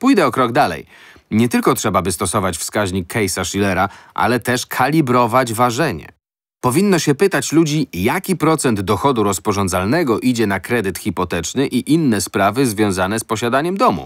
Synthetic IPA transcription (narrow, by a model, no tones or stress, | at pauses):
pujd̪ɛɔkɾɔɡd̪alɛ̰j | ɲɛt̪ɘlkɔtʂɛbabɘst̪ɔsɔvat͡ɕfskaʑɲikʰːɛjsaʂilɛɾaʔa̰lɛt̪ɛʂkʰalʲibɾɔvad͡ʑvaʐɛɲɛ̰ | pɔvʲinːɔɕɛpɘt̪at͡ɕlud͡ʑijakʲipɾɔt̪sɛnd̪d̪ɔxɔd̪uɾɔspɔʐɔnd̪zalnɛɡɔʔid͡ʑɛnakɾɛd̪ɘt̪xʲipɔt̪ɛt͡ʂnɘʔiʔinːɛspɾavɘzvʲjɔ̃w̃zanɛspɔɕad̪aɲɛmd̪ɔmṵ